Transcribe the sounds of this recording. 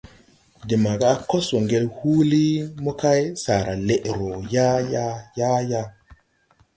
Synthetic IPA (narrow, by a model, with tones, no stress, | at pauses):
di˨ma˨ɡaː˦ko˦swo˨ŋɡe˦lhu˦li˦mo˦ka˦jsa˨ɾa˨le˨ʔɾo˨ja˦ja˦ja˦ja˦